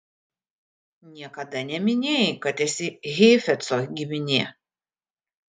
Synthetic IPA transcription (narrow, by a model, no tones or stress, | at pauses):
nʲiɛkɐd̪ɐnʲɛmʲɪnʲeːjkɐt̪ɛsʲɪɣʲɛːfʲɛt̪soɡʲɪmʲɪnʲeː